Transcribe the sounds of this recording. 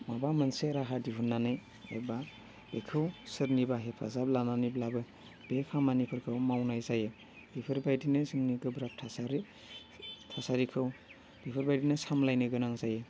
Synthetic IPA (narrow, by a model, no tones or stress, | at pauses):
mabamɯnseɾaɦadiɦunːanɯj | ḛba | b̥ekʰɯwsɯɾnibaɦepʰa̰zablananiblabɯ | b̥epʰamanipʰɯɾkʰɯwmawnajzajɯ | b̥ipʰɯɾbajdinɯzɯŋniɡɯbɾap̚tʰasaɾi | tʰasaɾikʰɯw | b̥ipʰɯɾbajdinɯsamlajnɯɡɯnaŋzajɯ